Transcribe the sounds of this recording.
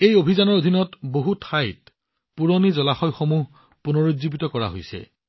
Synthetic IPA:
ejobʱizanɔɹodʱinɔtboɦutʰajt | puɹonizɔlaxɔjxomuɦ | punoɹodzibitɔkɔɹa̰ɦo̰jsɛ̰

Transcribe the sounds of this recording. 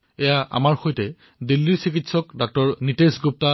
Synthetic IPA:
ɛjaʔa̰maɹxojtɛ | dilːiɹsikitsɔkdɔk̚tɔɹnitesɡup̚ta

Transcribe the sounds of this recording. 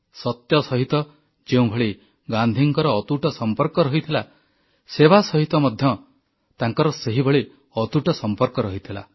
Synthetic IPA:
sɔt̪jɔsɔɦit̪ɔ | d͡ʒeũbʱɔɭi | ɡand̪ʱiŋkɔɾɔːt̪uʈɔsɔmpɔɾkɔɾɔɦit̪ʰila | sebasɔɦit̪ɔmɔd̪ʱjɔ | t̪aŋkɔɾɔseɦibʱɔɭi | ɔt̪uʈɔsɔmpɔɾkɔɾɔɦit̪ʰila̰

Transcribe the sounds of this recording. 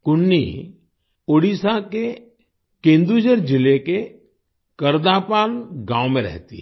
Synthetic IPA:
kʊnːḭ | oːɽisake | kẽːnd̪ud͡ʒəɾd͡ʒɪleke | kəɾd̪apaːlɡãːõmẽɾɛ̰ɦt̪ḭ

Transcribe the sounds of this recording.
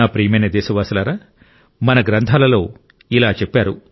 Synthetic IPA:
aːpɾiːmɐjnɐd̪ɛːsɐʋaːsɐlaːɾaː | mɐnɐɡɾɐnt̪ʰaːlɐlo̞ː | ilaːt͡ʃɛpːaːɾu

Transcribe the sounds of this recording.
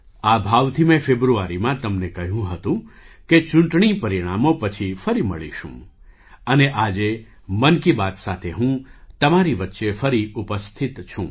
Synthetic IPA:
abʱaʋt̪ʰimɛ̃febɾuaɾimãt̪əmnekəɦjũɦət̪ũket͡ʃʊ̃ɳʈɳipəɾiɽ̃amopət͡ʃʰifəɾimə̰ɭḭʃṵ̃ | əneʔad͡ʒe | mənkibat̪sat̪ʰeɦũt̪əmaɾiʋət̪ːʃefəɾiupəst̪ʰit̪t͡ʃʰṵ̃

